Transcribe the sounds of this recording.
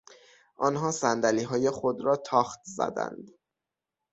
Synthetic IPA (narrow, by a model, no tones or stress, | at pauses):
ʔɒnɦɒːsænd̪æliːɦɒːje̞xod̪ɾɒːt̪ʰɒːxt̪zæ̰d̪æ̰nd̪